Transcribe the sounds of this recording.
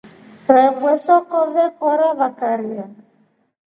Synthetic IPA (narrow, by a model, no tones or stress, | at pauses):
ɾɛvwɛsɔkɔvɛkɔɾaβakaɾia